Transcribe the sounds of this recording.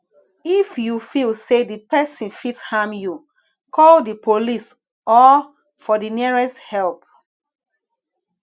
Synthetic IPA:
ifjufilsedipɛsĩnfitshamju | kʰɔldipʰolis | ɔ | fɔdiniɹɛsthɛlp̚

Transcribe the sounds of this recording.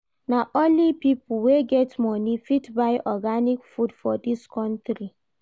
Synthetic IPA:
naʔõnlipiplweɡɛtmɔnifitbaɪʔɔɡanikfudfɔdiskʰɔ̃ntɾi

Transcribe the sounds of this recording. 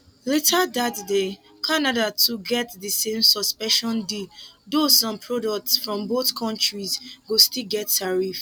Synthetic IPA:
letʰadatde | kʰanadatʰuɡɛtðisẽmsɔspɛ̃ʃɔ̃ndidosɔ̃mpʰɹɔdɔk̚tsfɹɔ̃mboθkʰɔ̃ntɹizɡostilɡɛtʰːaɹif

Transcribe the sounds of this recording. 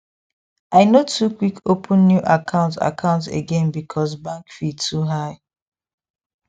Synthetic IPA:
aɪnotʰukwikʰopʰə̃nːjuʔakʰãʊ̃nta̰kʰãʊ̃ntḛɡɛ̃nbikʰɔsbãŋkfitʰuɦaɪ

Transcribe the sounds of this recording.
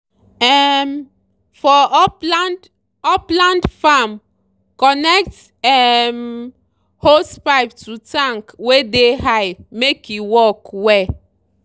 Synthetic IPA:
ɛm | fɔpland | ɔplãndfam | kɔnɛk̚t | ɛm | hospaɪptutãŋkwedeɦajmekiwɔkwɛ

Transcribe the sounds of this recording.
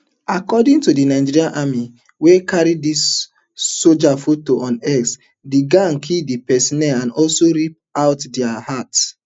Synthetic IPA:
akɔdĩŋtudinaɪd͡ʒiɹiãnʔami | wekaɹidisː | od͡ʒafutːoʔɔ̃nɛɡs | diɡãŋkʰildipɛsinɛãnɔlsoɹip̚aʊtdɛahat

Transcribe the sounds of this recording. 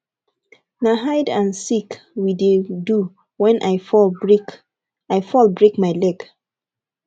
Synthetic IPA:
naɦaɪdãnsik | widedu | wɛ̃nʔajfɔlik | aɪfɔlˠbɹekmaɪlɛɡ

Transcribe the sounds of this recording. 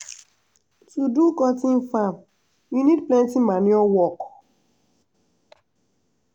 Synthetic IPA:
tudukɔtɪ̃nfam | jinid̚plɛ̃ntimaniɔwɔk

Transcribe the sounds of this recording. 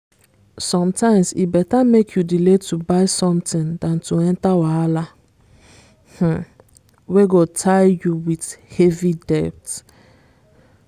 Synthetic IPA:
sɔ̃mtãɪ̃msḭbɛtamekʰjudiletubaɪsɔ̃mtĩndãntuɛ̃ntawaala | h̩ | weɡotʰaɪjuwithevidɛp̚t

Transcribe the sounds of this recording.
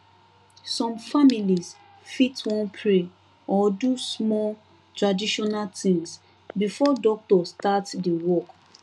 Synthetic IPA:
sɔ̃mfamilis | fitwɔ̃npʰɹe | ɔdusmɔl | tɹadiʃɔnaltĩŋs | bifɔdɔk̚tɔstatdiwɔk

